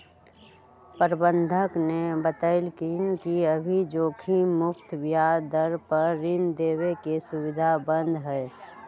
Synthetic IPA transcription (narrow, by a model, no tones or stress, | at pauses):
pəɾbə̃nd̪ʱəknebət̪əɪlkinkiəbʱid͡ʒoːkʰimʊpt̪bjad̪əɾpəɾːɪnd̪eːwekesʊwɪd̪ʱabə̃nd̪ʱɦɛː